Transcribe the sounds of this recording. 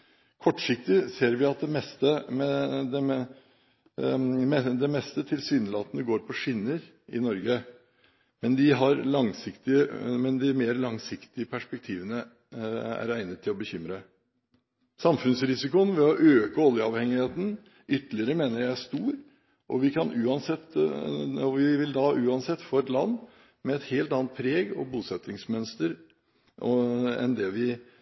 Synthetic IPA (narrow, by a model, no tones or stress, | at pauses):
kʰɔʈːʂɪk̚t̪ɪseːɾʋɪɑt̪̚d̪ɛmɛst̪əmɛd̪ɛ | mɛd̪ɛmɛst̪ət̪ʰɪlsyːnəlɑːt̪ənəɡoːɾpʰɔʂɪnːəɾ | ʔɪ̰nɔɾɡə | mɛnd̪ɪɦɑɾlɑŋsɪkt̪ɪəmɛnd̪ɪmeːɾlɑŋsɪkt̪ɪəpʰæʂpɛk̚t̪ʰiːʋənə | æ̰ɾæɪnət̪ʰːɪlɔbəçʏmɾə | sɑmfʉnsɾɪsɪkʊnʋɛɔʔøːkəɔljəɑʋhɛŋɪheːt̪n̩ | ʏt̪ːlɪəɾəmeːnəɾjæɪæʂt̪uːɾ | ʔɔʋɪkʰɑnʉːɑnsɛt̪ː | ɔʋɪʋɪld̪ɑʔʉːɑnsɛt̪ːfoːɛt̪lɑnː | mɛːt̪heːlt̪ɑnːt̪̚pʰɾeːɡɔ̰buːsɛt̪ːɪŋsmœnst̪əɾ | ɔɛ̰nd̪ɛʋɪ